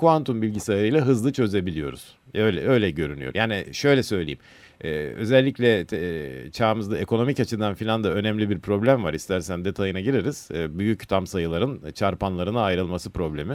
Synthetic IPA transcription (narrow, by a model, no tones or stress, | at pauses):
kʰuvant̪ʰumbilʲɟisaɾɯjlʲɛɦɯzlˠɯt͡ʃʰø̞ze̞bilʲijo̞ɾṵz̥ | øjlɛ̰ø̞jlʲɛɟø̞ɾyny̰joɾjaːniʃø̞jlʲɛsø̞jlʲejim | ɛːø̞zɛlʲːicʰlʲɛ | t͡ʃʰaːmɯzd̪ae̞ko̞no̞micat͡ʃʰɯd̪anfilʲand̪aø̞nɛmlʲibiɾpʰɾo̞blʲæmvaɾist̪ʰæɾsænd̪e̞t̪ʰajɯnaɟiɾeɾiz̥ːbyjyct̪ʰamsajɯlˠaɾɯnt͡ʃʰaɾpanlˠaɾɯnaːjɾɯlˠmasɯpɾo̞blʲe̞mi